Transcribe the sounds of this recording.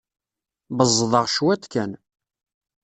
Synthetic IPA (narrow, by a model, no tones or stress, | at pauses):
bəzˤðˤəʁʃwæt̪kæn